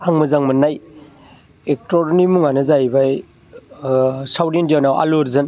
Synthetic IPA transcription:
aŋmɐzaŋmɐnaj | ek̚toɾnimuŋanɯzajbaj | sawdendiawnawa̰luɾzɯn

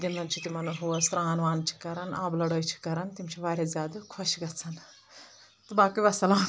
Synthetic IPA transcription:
d̪inɐnt͡ʃʰit̪imɐnɐɦoːsɾaːnʋaːnt͡ʃʰi̥kɐɾɐnʔaːblɐɽoːjt͡ʃʰi̥kɐɾɐnt̪imt͡ʃʰiʋaːɾʲazʲjaːd̪ɐkʰoʃɡɐt͡sʰɐn | t̪ɨbaːkɐbɐsɐlaːn

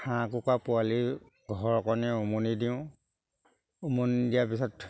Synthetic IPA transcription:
xãkʊkapʊali | ɡʱɔɹɔkɔnɛumunidiʊ̃ | umundijap̬isɔt

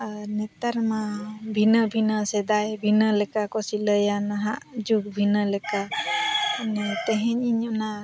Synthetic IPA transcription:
nɛt̪aɾmabʱinəbʱinəsɛd̪ajbʱinəlɛkakɔsiləjanaɦaʔd͡ʒuk̚bʱinəlɛka | nɛt̪ɛɦɛɲiɲɔna

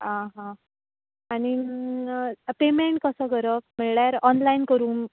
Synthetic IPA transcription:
ãɦã | ani | pemeɳʈ̚kəsəːɡəɾək̚miɭɽjaɾɔnlainkəɾuːn

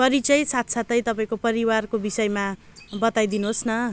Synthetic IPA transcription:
kʌɾit͡sʌj̃sat̪ʰsʰat̪ʌj̃t̪ʌpaĩkopʌɾiwarkobisʌjema | bʌt̪ajd̪inuɦosnʌ

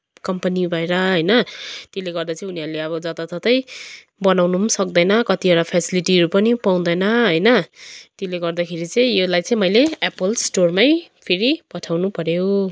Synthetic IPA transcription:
kʌmpʌnibʱʌeɾʌɦʌjnʌt̪eleɡʌrd̪at͡sʌĩuniʌɾleʌβʌd͡zʌt̪at̪ʌt̪ʌj | bʌnawnusʌk̚d̪ʌjnʌkʌt̪iʌɽapʰesiliʈiɾupʌnipaw̃d̪ʌjnʌɦʌjnʌt̪eleɡʌrd̪akʰeɾit͡sʌĩelajt͡sʌ̃ĩmʌjleapʌlsʈormajpʰeɾipʌʈʰawnupʌɾjo

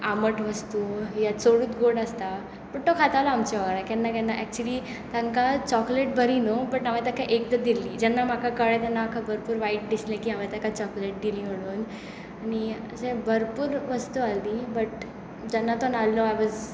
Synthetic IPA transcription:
aməʈʋəst̪ujasoɽuːt̪ɡoɽast̪a | pəʈt̪okʰat̪aʋlaamt͡ɕaʋəɡɾakɛnːak̬ɛnːaʔɛk̚t͡ɕuəli | t̪ãŋkat͡ɕɔkleʈ̚bʱəɾinobəʈamãt̪akaʔek̚d̪əd̪ilːid͡ʑɛnːam̤akʰakəɭɛt̪anːaakʰabəɾpuːɾʋaiʈ̚d̪islẽkiːamat̪akat͡ɕɔkleʈ̚d̪ilĩm̤əɽuːn | añiəsẽbəɾpuːɾʋəst̪uald̪ibəʈ̚ | d͡ʑɛnːat̪onalːoajʋɔz

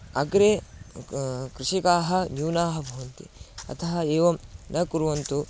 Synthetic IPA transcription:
ɐɡɾe | kɾɪʃikaːɦɐ̆njuːnaːɦɐbʱɐʋɐnt̪ḭɐ̰t̪ʰɐɦɐeːʋɐmnɐkuɾuʋɐnt̪u

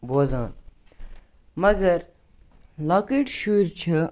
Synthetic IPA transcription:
boːzãːn | mɐɡɐɾ | laːkiʈʃuɾt͡ʃʰə

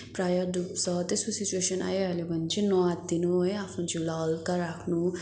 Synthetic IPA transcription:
pɾajʌɾɖup̚sʌt̪esusit͡ʃueʃʌna̰jealebʱʌnt͡ʃʰinɔat̪̚d̪inuʌjapʰnũt͡ʃilalkaɾakʰnu

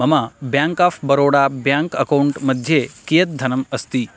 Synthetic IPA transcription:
ɐmabjãŋkafbəɾoɽabjãŋkəkauɳʈməd̪ʱːjekijət̪̚d̪ʱɐnəməst̪iː

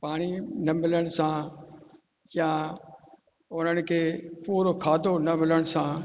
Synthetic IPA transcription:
paːɽ̃inɐmɪləɽ̃sã | jã | ʊn̤əɽ̃ɪ̆kʰeːpuːɾokʰaːd̪ʱonɐmɪləɽ̃ɪ̆sã

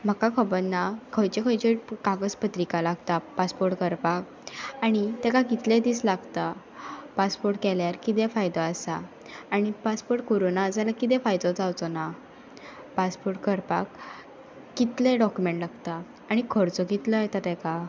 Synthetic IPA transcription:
m̤əkakʰəbənnːakʰəjt͡ɕekʰəjt͡ɕekaɡəspət̪ɾikalaɡt̪apaspoɾʈkəɾpak | aɽ̃it̪ɛkaɡit̪lẽd̪iːslaɡt̪a | paspoɾʈkɛljaɾkit̪ẽfajd̪ɔasaː | ɽ̃ipaspoɾʈ̚koɾonad͡zalakit̪̬ɛ̃fajd̪ɔd͡zawt͡sɔna | paspoɾʈkəɾpakː | it̪leɖɔkjumẽɳʈlaɡt̪aː | ɽ̃ikʰəɾt͡sɔɡit̪ləjɛt̪at̪ɛ̃ka

